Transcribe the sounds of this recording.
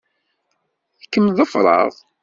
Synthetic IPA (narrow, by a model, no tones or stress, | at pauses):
θəkːəmðˤɑfɾˤɑ̰ðˤ